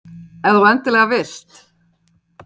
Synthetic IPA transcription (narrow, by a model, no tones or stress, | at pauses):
ɛðuɛnt̪ɪlɛːɣavɪst̪